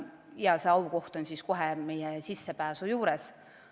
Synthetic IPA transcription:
jɑseɑwko̞ht̪o̞nsisko̞ɦeme̞jɛsisːepæːsujuːɾɛs

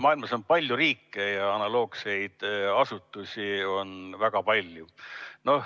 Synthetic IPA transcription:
mɑːilmɑso̞npɑlʲjuɾiːkːejɑɑnɑlo̞ːɡse̞jd̪̥ɑsut̪ːˑusʲio̞nvæɡ̥ɑpɑlʲjuno̞h

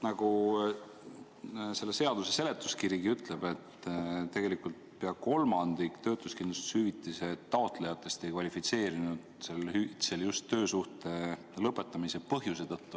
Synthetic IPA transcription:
nɑɡ̥u | se̞lːe̞se̞ɑd̪̥use̞se̞le̞t̪ːˑuskiɾiɡiyt̪le̞b̥e̞t̪ːt̪e̞ɡ̥e̞likːˑult̪̚peɑko̞lmɑnd̪̥ikt̪ø̞ːt̪ˑuskind̪lust̪i̥shyvit̪ˑːise̞t̪ːɑot̪ˑle̞jɑt̪ːˑe̞st̪e̞jkvɑlʲifit̪se̞ːɾinud̪̥selhyit̪seljust̪ːø̞ːsuht̪e̞ | lɤpˑːe̞t̪ːˑɑmise̞pɤɦjuse̞t̪ɤt̪ːu

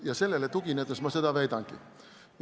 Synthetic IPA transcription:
jɑselːelːet̪ukiniet̪ːesmɑsid̪æʋeit̪ɑŋkḭ

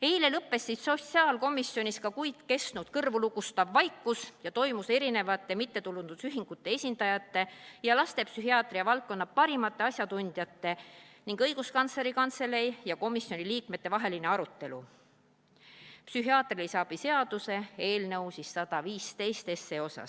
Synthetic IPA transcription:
e̞jle̞lɤpːˑe̞sːisso̞siɑːlko̞mˑisːjo̞nʲiskɑkujd̪̥ke̞st̪nud̪̥kɤrvuluɡust̪ɑvːɑjkˑːusjɑt̪o̞jmuse̞ɾine̞vɑt̪ːˑemit̪ːe̞t̪ulund̪̥usyɦiŋɡ̥ut̪ːe̞e̞sʲind̪̥ɑjɑt̪ːe̞jɑlɑst̪e̞psyɦiɑːt̪riɑvɑlt̪̚ko̞nːɑpɑɾimɑt̪ˑːe̞ɑsʲjɑt̪unʲd̪̥jɑt̪ːe̞niŋɡ̥ɤjɡ̥uskɑnt̪sle̞ɾikɑnt̪se̞le̞jjɑko̞misjo̞nʲiliːkmet̪ːe̞vɑɦe̞line̞ɑɾut̪ːe̞lṵ | psyɦiɑːt̪rilisɑːb̥ise̞ɑd̪̥use̞e̞ːlnɤwsisːɑd̪̥ɑviːst̪e̞jst̪e̞sːe̞o̞sɑ̰s

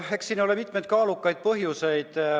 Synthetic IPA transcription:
eksiːnːolemit̪me̞jd̪̥kɑːlukːˑɑjd̪̥̚pɤɦjuse̞jd̪̥

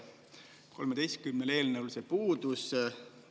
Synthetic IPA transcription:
ko̞lmed̪̥ejst̪̚kymnele̞ːlnəwlsepuːd̪us

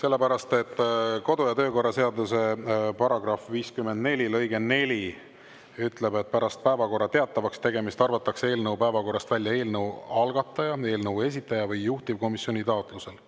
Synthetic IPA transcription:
se̞lːe̞pæɾɑst̪e̞t̪ːˑko̞d̪ujɑt̪ø̞ːko̞rːɑse̞ɑd̪use̞pɑɾɑɡ̥rɑfviːskymend̪̚ne̞lʲilɤ̞jɡe̞ne̞lʲi | yt̪le̞be̞t̪̚pæɾɑst̪̚pæevɑko̞rːɑt̪e̞ɑt̪ːˑɑvɑkst̪e̞ɡe̞mist̪ɑrvɑt̪ːˑɑkse̞ːlnəwpæevɑko̞rːɑst̪vælʲjɑe̞ːlnəɑlɡɑt̪ˑːɑjɑe̞ːlnəve̞s̬it̪ːˑɑjɑvɯjːuht̪ib̥̚ko̞misjo̞nʲit̪ɑot̪ˑluse̞l

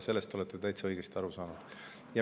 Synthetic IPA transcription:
se̞lːest̪o̞let̪ːˑet̪æjt̪seɤjɡ̥e̞st̪iɑɾusɑːnud̪̥ | jɑ

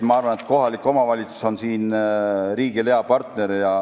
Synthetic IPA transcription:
mɑɑrvɑne̞t̪̚ko̞ɦɑlikːˑo̞mɑvɑlʲit̪su̥so̞nsiːnɾiːɡileɑpɑrt̪ne̞ɾjɑ

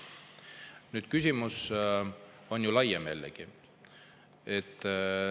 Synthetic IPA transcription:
nyːd̪̥kysʲimus | o̞njulɑjemḛlːḛɡ̥i | et̪ːˑ

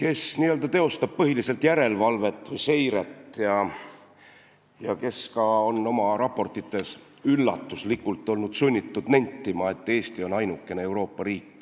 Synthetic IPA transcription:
ke̞sniːøld̪ɑt̪e̞o̞st̪ɑb̥̚pɤɦilise̞lt̪jæɾe̞lvɑlve̞t̪ːˑvɤjse̞jɾet̪ːjɑ | jɑke̞skɑo̞nːo̞mɑɾɑpːˑo̞rt̪ːˑit̪ːˑe̞s | ylːɑ̰t̪ˑːuslikːult̪ˑːo̞lnud̪̥sunʲːit̪ːud̪̥nenʲt̪ːimɑe̞t̪ːˑe̞ːst̪io̞nɑjnukːe̞nee̞wɾo̞ːpːɑɾiːkː

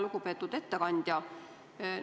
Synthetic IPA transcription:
luɡ̥upe̞ːt̪ːˑud̪̥e̞t̪ːekɑnʲd̪̥jɑ

